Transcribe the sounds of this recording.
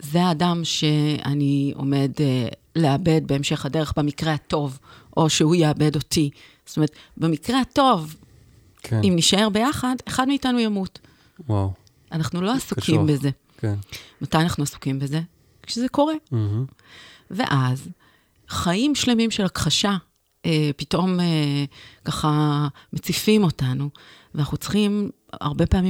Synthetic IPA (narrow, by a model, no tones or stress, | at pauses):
zeaːdamʃe̞a̰nio̞̰me̞dle̞abe̞d̚be̞emʃe̞χhade̞ʁeχbemikʁe̞hato̞vʔo̞ʃehujeabe̞do̞ti | z̥otome̞et̪be̞mikʁehato̞v | kimniʃae̞ʁbe̞jaχade̞χadmeitanujamut | waw | anaχnulo̞asukʰimbeze̞ | kmatajanaχnuasu̥kimbeze̞ | kʃezeko̞ʁe̞ | ve̞̰ʔaz | χaimʃle̞mimʃe̞lakχaʃa | epito̞mekaχamet͡sifimo̞tanuveanaχnut͡sχim | a̰ʁbe̞paːmi